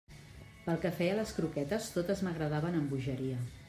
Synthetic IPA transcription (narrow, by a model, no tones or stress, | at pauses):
pəlˠkəfɛjələskɾukɛt̪əst̪ot̪əzməɣɾəð̞aβənəmbuʒəɾiə